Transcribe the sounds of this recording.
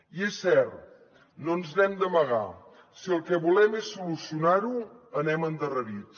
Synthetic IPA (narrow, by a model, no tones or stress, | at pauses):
iesːɛɾt̪ | nonznɛmd̪əməɣ̞a̰ | siəlˠkɛβulɛmesːulusiunaɾuənɛmənd̪ərəɾit͡s